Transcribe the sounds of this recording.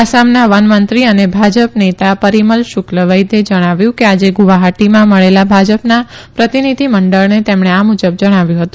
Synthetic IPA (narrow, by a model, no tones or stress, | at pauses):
asamnaʋənmənt̪ɾiənebʱad͡ʒəpnet̪apəɾiməlʃʊkləʋəjd̪ed͡ʒəɽ̃aʋjũkead͡ʒeɡuʋaɦaʈimãməɭelabʱad͡ʒəpnapɾət̪inid̪ʱiməɳɖəɭnet̪emɳeamud͡ʒəb̚d͡ʒəɽ̃aʋjũɦət̪ũ